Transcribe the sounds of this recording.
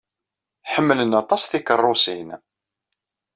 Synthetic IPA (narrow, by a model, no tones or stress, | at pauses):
ħəmːələnɑt̪ˤɑsθikərˤːʊsin